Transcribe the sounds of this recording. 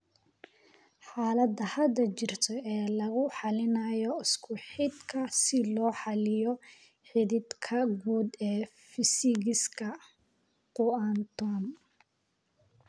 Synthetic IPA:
ħaːlɐd̪ɐhɐd̪ɐt͡ʃɪrt̪ʰɔɛːlɐɣʊħɑlɪnɐjɔɪskʰʊħɪd̪kʰɐsɪlɔːħɑlɪjɔ | ħɪðɪd̪kʰɐɡuːd̪ɛː | fɪsɪɣɪskʰɐ | qʊant̪ʰɔːn

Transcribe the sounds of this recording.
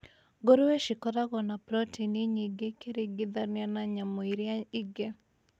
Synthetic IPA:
ɡoɾoweʃɪkɔdaɡɔnapɾɔtiniɲiɡekeɾeɡɪd̪aɾnɪanaɲamoiɾjaiɡe

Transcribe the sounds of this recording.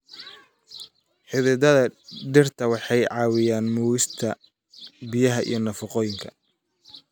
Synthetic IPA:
ħɪðɪd̪ɐðɐɖɪrt̪ʰɐwɑħɑjʕɑːwɪjaːnmuːwɪst̪ʰɐ | bijɐɦɐʔḭjɞnɐfɑqɔːjɪŋkʰɐ

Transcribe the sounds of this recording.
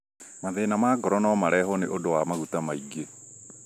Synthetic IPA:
maðenamaːɡɔɾɔnɔmaɾɛɦɔneʔodowamaɣutamaiɡe

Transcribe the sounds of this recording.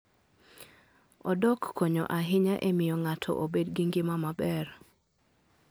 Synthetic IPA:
ɔdɔkːoɲɔ̰ʔaɦɪɲaʔemɪjɔŋatʰɔ̰ʔobedɡiŋɡɪmamabɛr

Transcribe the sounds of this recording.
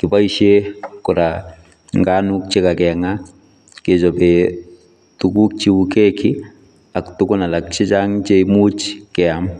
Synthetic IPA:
kɪpaiʃekʊɾa | ŋɡanuk̚t͡ʃekakɛŋa | ket͡ʃɔpɛ | tukuk̚t͡ʃiukekɪ | aktʊkʊnalak̚t͡ʃɪt͡ʃaŋt͡ʃemut͡ʃkɛam

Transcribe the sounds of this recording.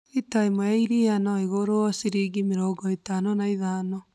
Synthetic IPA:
itaimɔaiɾianɔiɣoɾoɔsiɾiɡimeɾɔɡɔitanɔnaiðaːnɔ

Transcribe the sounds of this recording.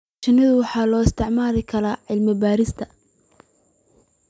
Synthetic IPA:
t͡ʃɪnɐðʊwɑħɑːlɔːɪst̪ʰɪʕmaːlɛkʰɐlaːʕɪlmɪbaːɾɪst̪ʰɐ

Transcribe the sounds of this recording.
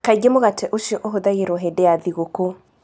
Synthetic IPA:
kaɡemoɣateʔoʃɔʔoɦoðaɣiɾɔɦedɛjaðiɣoko

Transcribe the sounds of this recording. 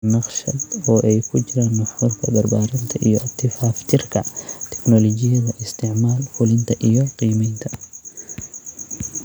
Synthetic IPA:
nɑqʃɐd̪ɔːʔɛjkʰʊt͡ʃɪɾaːnːɐfuːrkʰɐ̰bɐrbaːɾɪnt̪ʰɐʔijɔt̪ʰːɪfaːft̪ʰɪrkʰɐt̪ʰɛ̥knɔlɔd͡ʒɪjɐðɐʔɪst̪ʰɪʕmaːlfʊlɪnt̪ʰɐʔijɔqiːmɛjnt̪ʰɐ

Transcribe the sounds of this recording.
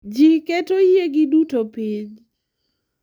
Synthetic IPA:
d͡ʒiketojeɡɪdutopiɲ

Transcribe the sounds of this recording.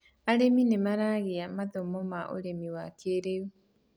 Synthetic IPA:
aɾeminemaɾaɣeamaðomɔmaʔo̰ɾemiwakʰeɾeu

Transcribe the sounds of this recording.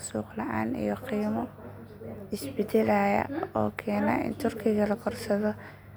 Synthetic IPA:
suːqlɐʔa̰ːnḭjɔqiːmɔ | ɪsbɛd̪ɛlaːjɐ̰ɔːkʰɛːnaːʔɪ̰nt̪ʰʊrkʰɪɣɐlɐkʰɔrsɐðɔ

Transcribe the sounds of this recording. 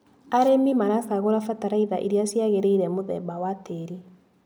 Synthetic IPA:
aɾemimaɾasaɣoɾafataɾaiðaʔeɾiasjaɣeɾeiɾɛmoðɛ̰bawateɾi

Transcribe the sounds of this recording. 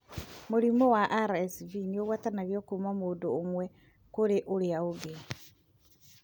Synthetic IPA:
muɾimɔwaʔaɾɛsvinioɣwatanaβjokumamoːdoːmwɛ | koɾeʔoɾeaoɡe

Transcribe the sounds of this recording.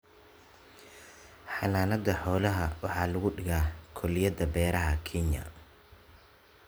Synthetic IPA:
ħɑnaːnɐd̪ɐħɔːlɐɦɐwɑħɑːlʊɣʊɖɪɣaːkʰɔlɪjɐðɐbɛːɾɐɦɐkʰɛnjɐ̰

